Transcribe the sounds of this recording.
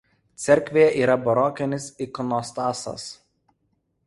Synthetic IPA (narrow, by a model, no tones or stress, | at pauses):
t̪sʲɛɾʲkʲʋʲeːjɛʔiːɾɐbɐɾɔːkʲɛnʲɪsɪkɔnɔst̪ɑːsɐ̰s